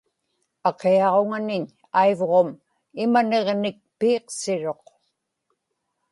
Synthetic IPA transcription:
ɑqeɑʁoŋanɪɲ | aivʁo̞m | ɪmane̞ʁnɪk̚piːqsɪɻo̞q

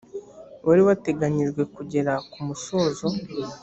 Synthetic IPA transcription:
waɾiwate̞ɡaɲiʒɡwe̞kuɟe̞ɾakumuso̞ːzo̞

